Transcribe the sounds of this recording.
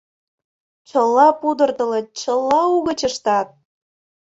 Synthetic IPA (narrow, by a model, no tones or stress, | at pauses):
t͡ɕəlːɑpud̪ərt̪ə̆lət̪̚t͡ɕə̆lːɑuɣə̆t͡ɕə̆ʃt̪ɑt̪̚